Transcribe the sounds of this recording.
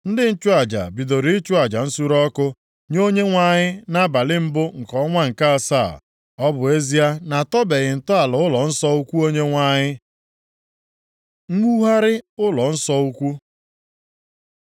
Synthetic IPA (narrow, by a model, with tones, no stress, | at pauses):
n̩˦dɪ˦n̩˦t͡ʃʊ˦a˨d͡ʒa̰˨bi˨do˨ɾi˨˦i˦t͡ʃʊ˦a˨d͡ʒa˨n̩˦su˦ɾɔ˦kʊ˦ | ɲo˦ɲe˦ŋʷa˦ɲɪ˦na˦ba˨lɪ˦m̩˦bʊ˦ŋ̩˨kɔ˦ŋʷa˦ŋ̩˨ka˦a˨sa̰˦˨ | ɔ˦bʊ˨e˦zi˦a˦na˨tɔ˦be˨ɣɪ˨n̩˨tɔ˦a˨lʊ˨ʊ˦lɔ˨n̩˦sɔ˦u˦kʷu˦o˦ɲe˦ŋʷa˦ɲɪ˦ | ŋ̩˦ŋu˦ɦa˦ɾɪ˦ʊ˦lɔ˨n̩˦sɔ˦u˦kʷu˦